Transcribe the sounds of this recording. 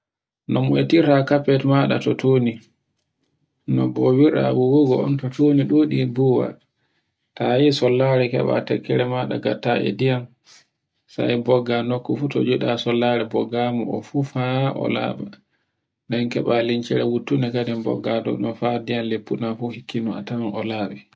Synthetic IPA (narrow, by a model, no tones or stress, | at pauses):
nɔmɔɛtiɾakapɛtmaɗatɔtʰoːni | nɔbɔwiɾa̰wuwuɡɔɔ̰ntɔtoniɗoɗibuwa̰ | tajisɔlːaɾɛkɛ̰ɓa̰tɛ̰kːɛɾɛmaɗa̰ɡatːaʔɛ̰dijan | sa̰jbɔɡːanɔkːɔfutɔ̰d͡ʒuɗasɔlːaɾɛbɔɡamɔʔɔfufaɔ̰la̰ɓa | ndɛnkɛɓaliɲt͡ʃɛɾɛwutːunɛkadɛmbɔ̰ɡːadɔ̰ɔfadijanlepːunafuhikːinɔa̰tawanɔlaːɓɛ